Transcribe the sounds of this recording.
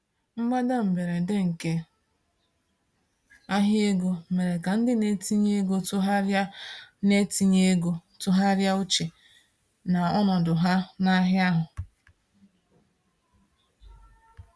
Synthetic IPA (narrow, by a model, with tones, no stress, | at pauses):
ŋ͡m̩˦ɡ͡ba˦da˦m̩˨be˨ɾe˨dɪ˦ŋ̩˨ke˦ | a˦ɦɪ˦e˦ɡo˦˨me˨ɾe˨ka˨n̩˦dɪ˦ne˦ti˦ɲe˦e˦ɡo˦tʊ˦ɦa˦ɾa˦ne˦ti˦ɲe˦e˦ɡo˦tʊ˦ɦa˦ɾja˦ʊ˦t͡ʃe˨ | na˨ɔ˦nɔ˨dʊ˨ɦa˦na˦ɦja˦ɦʊ˨